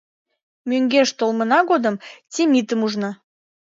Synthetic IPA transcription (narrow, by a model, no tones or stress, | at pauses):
møŋɡeʃt̪olmənɑɣod̪əmtʲimit̪əmuʒnɑ